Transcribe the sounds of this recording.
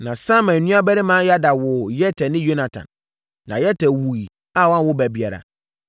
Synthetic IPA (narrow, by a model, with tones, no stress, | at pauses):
nã˨sã˦mɛ̃˨n˨nũ˦a˦bæ˦ɾɪ˦mã˦ja˦da˨wʊ˨jɛ˦tʰɛ˨nɪ̃˦jo˦na˨tʰã̰˨nː | ã˨jɛ˦tʰɛ˨wu˨i˨ | a˦˨wa˦wʊ˦bæ˨bi˨a˨ɾa̰˨